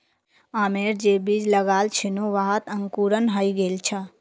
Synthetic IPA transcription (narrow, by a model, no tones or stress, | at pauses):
aːmeɾd͡ʒebid͡ʒləɡaːlt͡ʃʰinoʋaɦət̪əŋkuːɾənɦəjɡelt͡ʃʰə